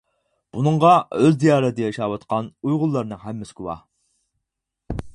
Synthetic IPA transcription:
b̥unɨɴʁɑøzd̪ijɑːɾɛd̪ɨjɑʃɑːwɑt̪qɑnujʁʊlˠːɑɾnɨŋhæmːɪskʲuwɑ̰

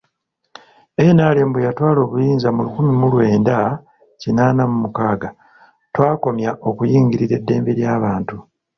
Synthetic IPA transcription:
e̞naːleːmbwejatwaːlo̞ːβujiːnzamulukumimulwe̞ːnda | cinaːnamumukaːɡa | twaːko̞mjaʔo̞kujiːŋɡiɾiɾe̞dːe̞ːmbeɾjaːβaːntu

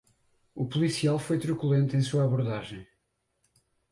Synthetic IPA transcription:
upulˠisialˠfojt̪ɾukulˠẽnt̪ẽj̃suɐːβuɾðaʒẽj̃

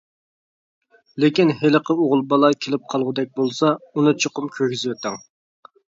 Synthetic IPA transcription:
lɪkʲinɦeləqʰəoʁʊlˠbɑlˠɑkʲʰelɪp̚qʰɑlˠʁʊd̪ɛk̚ʲbolˠsɑunɨt͡ʃʰoqʊmkʲʰøkʲizɪwɛt̪ɛŋ

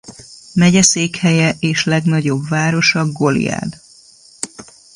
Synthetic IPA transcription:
mɛɟɛseːkhɛjɛʔeːʃlɛɡnɒɟo̞bvaːɾo̞ʃɒɡo̞lḭja̰ːd̪

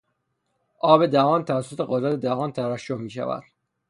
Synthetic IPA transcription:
ʔɒːbed̪æhɒːnt̪ʰævæsːot̪ʰeɣod̪ɾæt̪ʰed̪æɦɒːnt̪ʰæɾæʃːohmiːʃæ̰væ̰d̪̥

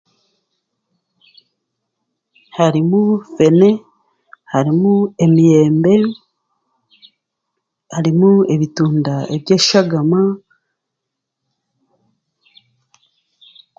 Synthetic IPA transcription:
haɾimufe̞ne̞ | haɾimue̞mije̞ːmbe̞ | haɾimueβituːndaebje̞ːʃaɡama

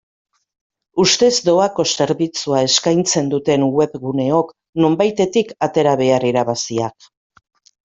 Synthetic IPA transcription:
ust̪e̞zd̪o̞ako̞se̞ɾβit͡suae̞skajnt͡se̞nd̪ut̪e̞nwe̞pɣune̞o̞k | no̞mbajt̪e̞t̪ikat̪e̞ɾaβe̞ariɾaβasiak̚

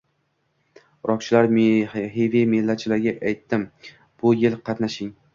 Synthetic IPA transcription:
ɾʔɒk̚t͡ʃʰɪlaɾmɦevemɪlːat͡ʃʰɪlaɾɡʲaʔajt̪ːɪm | b̥ʊjɪlˠqʰɑt̪naʃɪŋ

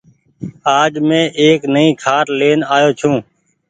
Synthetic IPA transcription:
aːd͡ʒmẽːʔeːknəĩːkʰaːʈleːnaːjoːt͡ʃʰũː

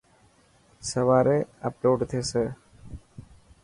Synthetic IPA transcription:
səʋaːɾeəploːɖt̪ʰeːse

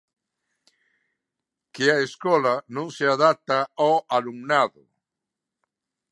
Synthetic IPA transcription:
kɪaeskɔlanõŋseaðat̪aɔaluŋnaðʊ̰

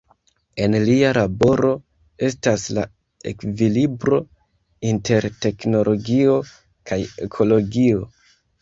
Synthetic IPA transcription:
e̞nlialabo̞ɾo̞ | e̞stasla̰ | e̞̰kvilibɾo̞ | inte̞ɾte̞kno̞lʔo̞ɡio̞ | kʰaje̞kʰo̞lo̞ɡio̞

